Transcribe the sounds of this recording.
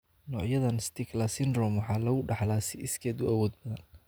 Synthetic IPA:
nɔːʕjɐðɐnst̪ʰɪklɐsɪnɾɔmwɑħɑːlɐɣʊɖɑħlaːsɪʔɪskʰɛːd̪ʊɐwɔːd̪̚bɐðɐn

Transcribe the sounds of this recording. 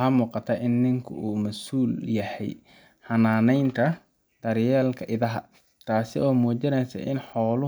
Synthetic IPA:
hɐmuːqɑt̪ʰɐʔɪnːɪŋkʰʊ̰ʔuːmɐsuːljɐhɛ̰j | hɐnaːnɛjnt̪ʰɐ | d̪̥ɐɾjɛːlkʰɐʔɪðɐɦɐ | t̪ʰaːsɪ̰ɔːmɔːt͡ʃɐnɛjsɐ̰ʔɪ̰nħɔːlʊ

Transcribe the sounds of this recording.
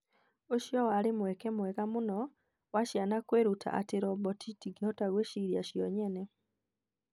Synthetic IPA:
oʃjɔwaɾemwɛkɛmwɛɣamonɔ | waʃjanakweɾutʰa̰ʔateɾɔmbɔtʰitiɡehɔtaɣweʃiɾiaʃijɔɲɛnɛ

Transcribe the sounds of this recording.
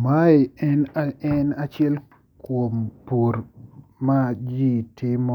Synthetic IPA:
maiɛnaɛnat͡ʃɛl | kwompuɾmad͡ʒitʰɪmo

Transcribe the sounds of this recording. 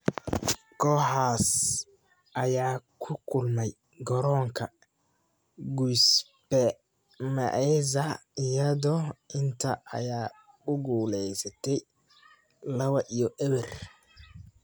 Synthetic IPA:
kʰɔːħaːs | ʔɐjaːkʰʊkʰʊlmɛj | ɡɔɾɔːŋkʰɐ | ɡujs | bɛ | mɐ̰ʔɛzɐɪjɐðɔʔɪnt̪ʰɐʔɐ̰jaː | ʊɡuːlɛjsɐt̪ʰɛj | lɐβɐʔijɔʔɛβɛr

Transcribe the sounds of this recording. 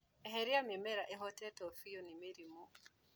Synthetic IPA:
ɛɦɛɾiamimɛɾaʔɛɦɔtɛtɔfijɔnimeɾimu

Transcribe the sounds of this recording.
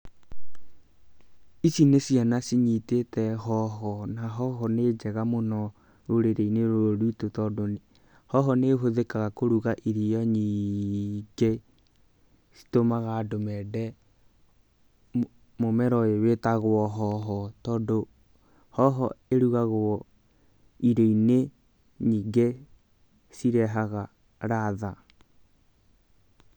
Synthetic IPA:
isinesianasiɲitetɛɦɔɦɔnaɦɔɦɔned͡ʒɛɣamonɔ | ɾoɾeɾeineɾooɾutotɔːdone | hɔɦɔnehoðekaɣakoɾuɣaʔiɾijɔɲi | ɡe | si̥tomaɣadomɛdɛ | momɛɾɔewetaɣwɔɦɔɦɔtɔːndo | hɔɦɔeɾuɣaɣwɔ | iɾeine | ɲiːɡe | siɾɛɦaɣa | ɾaða

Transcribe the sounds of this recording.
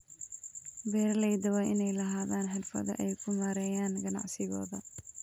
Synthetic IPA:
bɛːrlɛjd̪ɐwɑːʔɪnɛjlɐɦaːðaːnħɐd̪fɐ̰ðɐ̰ʔɛjkʰʊmɐɾɛːjaːnɡɐnɑ̰ʕsɪɣɔ̰ːðɐ

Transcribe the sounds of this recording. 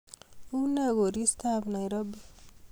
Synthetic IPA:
unaɡoɾist̪aːbnajɾʌb

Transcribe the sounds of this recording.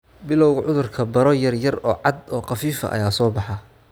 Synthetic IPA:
bɪlɔwɣʕʊðʊrkʰɐbɐɾɔjɐrjɐrɔːʕɑd̪ɔːqɑfiːfɐ̰ʔɐ̰jaːsɔːbɑħɑ

